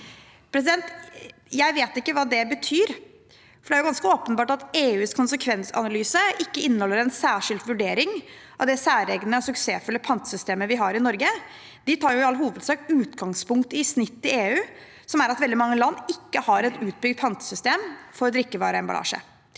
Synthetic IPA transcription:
pʰɾɛs̬ɪd̪ɛnt̪jæɪʋeːt̪ɪkːəʋɑːd̪ɛbət̪ʰyːɾ | fɔɖɛæɾʊɡɑnskəoːpənbɑːʈɑt̪eːʉːskʰʊnsəkʰʋɛnsɑ̰nɑlyːsəɪkːəɪnːəhɔlːəɾɛnsæːʂɪld̪ʋʉɖeːɾɪŋʔɑ̰ʋd̪ɛsæːɾɛɡnəɔsʉkseːfʉləpʰɑnt̪ə̥sʏst̪eːməʋɪɦɑɾɪnɔɾɡə | d̪̥ɪt̪ʰɑːjʊɪɑlːɦuːʋəd̪sɑːk̚t̪ʉːt̪ɡɑŋspʊŋkt̪ɪsnɪt̪ːɪleːʉː | sɔmæɾɑt̪ʋɛld̪ɪmɑŋːəlɑnːɪkːəhɑɾɛt̪ʉːt̪̚bʏɡ̚d̪̚pʰɑnt̪ə̥sʏst̪eːmfɔɾɔd̪ɾɪkːəʋɑ̰ːɾəɛnbɑ̰lɑ̰ːʂə̰

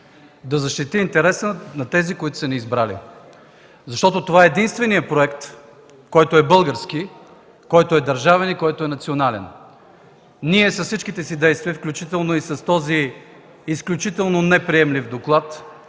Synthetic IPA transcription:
d̪ɐzɐʃt̪it̪iːnt̪ɛɾɛsənɐt̪ɛzikoit̪ʊ̥sɐniːzbɾalḭ | zɐʃt̪ɔt̪ot̪ovaɛɛd̪inst̪vɛniəpɾoɛkt̪ | kɔjt̪oɛbɤlˠɡəɾsk̟i | kɔjt̪oɛd̪ɐɾʒavɛnikɔjt̪oɛnɐt̪sionalɛ̰n | niɛsɐssit͡ʃk̟it̪ɛsid̪ɛjst̪viəfklʲut͡ʃit̪ɛlˠnoisɐst̪ɔziː | sklʲut͡ʃit̪ɛlˠnonɛpɾiɛmlivd̪oklˠat̪

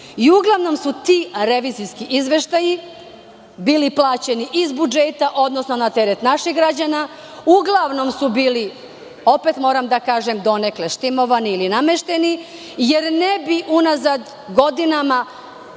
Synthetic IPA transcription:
iuɡlˠaʋno̞msut̪iɾeʋiːziskiʔizʋe̞ʃt̪aji | biːliplˠaːt͡ɕe̞niʔizbud͡ʒet̪aʔo̞d̪nosno̞nat̪eɾet̪naʃiɣɡɾad͡ʑana | uɡlˠaʋno̞msubiːli | o̞pet̪mo̞ːɾamd̪akaːʒemd̪o̞nekleʃt̪imo̞ʋaniilinameʃt̪e̞ni | je̞ɾnebiʔunazad̪ | ɡo̞d̪inama

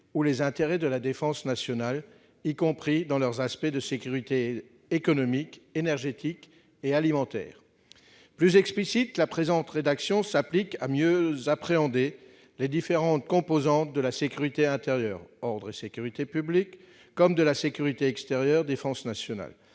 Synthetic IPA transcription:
ulezɛ̃t̪eʁɛd̪əlad̪efɑ̃snasjɔnal | ikɔ̃pχid̪ɑ̃lœʁzaspɛd̪əsekʲyʁit̪eː | kɔnɔmikenɛʁʒet̪ʰik | ealimɑ̃t̪ɛ̰ːʁ | plyzɛksplisit̪lapχezɑ̃t̪ʁed̪aksjɔ̃saplikamjøzapχeɑ̃d̪e | led̪ifeʁɑ̃t̪̚kɔ̃pozɑ̃t̪̚d̪əlasekʲyʁit̪eɛ̃t̪eʁjœːʁɔʁd̪ʁesekʲyʁit̪epyblikː | ɔmd̪əlasekʲyʁit̪eɛkst̪eʁjœʁd̪efɑ̃snasjɔna̰l

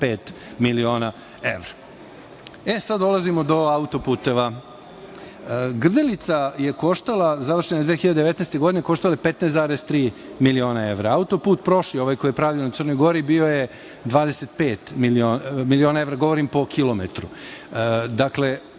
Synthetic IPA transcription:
peːt̪ | milio̞ːna | ḛʋɾa | esad̪d̪o̞lˠazimod̪o̞aut̪o̞puːt̪eʋa | ɡr̩d̪elit̪saje̞ko̞ʃt̪alˠazaʋr̩ʃenaed̪ʋeːxiʎad̪eee̞t̪nejst̪eɡod̪ineko̞ʃt̪alajepet̪neːsaːɾest̪ɾiːmilio̞ːnaeʋɾaaut̪o̞puːt̪pɾo̞ʃlioʋajkoijepɾaʋionat̪sərno̞jɡo̞ɾibio̞je | d̪ʋaːd̪eset̪peːt̪milioːmilio̞ːnae̞vɾaɡo̞ʋoɾimpo̞kʰilˠomet̪ɾu | d̪akle̞

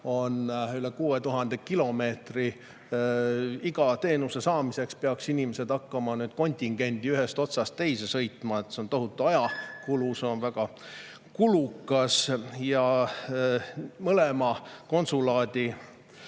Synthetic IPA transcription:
o̞nyle̞kuːet̪uɦɑnd̪e̞kilo̞me̞ːt̪ri | iɡ̥ɑt̪e̞ːnuse̞sɑːmise̞kspeɑksinʲimese̞d̪ɑkːɑmɑnyːd̪̥ko̞nʲt̪ʲiŋɡ̥e̞nʲd̪iyɦest̪o̞t̪sɑst̪ːe̞jse̞sɤ̞jt̪ˑmɑe̞t̪seo̞nt̪o̞ɦut̪ːˑuɑjɑkulusonvæɡ̥ɑ | kulukːˑɑsjɑ | mɤlemɑko̞nsulɑːd̪̥i

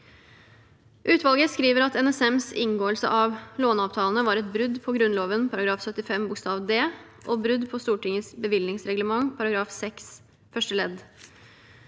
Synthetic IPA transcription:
ʔʉːt̪ʋɑlɡəskɾiːʋəɾɑt̪ɛnɛsɛmsɪŋɡoːəlsə̰ʔɑʋloːnɑːʋt̪ʰɑːlənəʋɑːɾɛt̪̚bɾʉd̪pʰɔɡɾʉnloːʋənpʰɑɾɑɡɾɑːfsœt̪ɪfɛmbʊkst̪ɑːʋd̪eː | ʔɔːbɾʉd̪pʰɔst̪uːʈɪŋəsbəʋɪlnɪŋsɾɛɡləmɑŋpʰɑɾɑɡɾɑːfsɛks | fœʂʈəlɛd̪

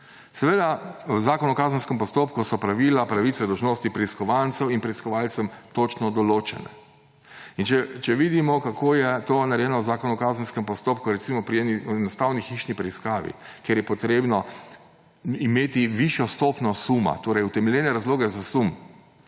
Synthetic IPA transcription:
sɛʋeːd̪awzaːkɔnɔkaːzənskɛmpɔst̪oːpkusɔpɾaʋilapɾaʋit̪sɛd̪ɔwʒnoːst̪ipɾɛiskɔʋant̪sɛwinpɾɛiskɔʋalt̪sɛmt̪ot͡ʃnɔd̪ɔloːt͡ʃɛ̰nɛ̰ | int͡ʃɛt͡ʃɛʋid̪imɔkakʰoːjɛt̪onaɾɛjɛːnɔwzaːkɔnɔkaːzən̩skɛmpɔst̪oːpkuɾɛt̪simɔpɾiɛniɛnɔst̪aːwnixiʃnipɾɛiskaːʋḭkeɾjɛpɔt̪ɾeːbnɔ | imeːt̪iʋiʃjɔst̪opnɔsuma̰t̪oːɾɛjut̪ɛmɛljeːnɛɾazloːɡɛzasum

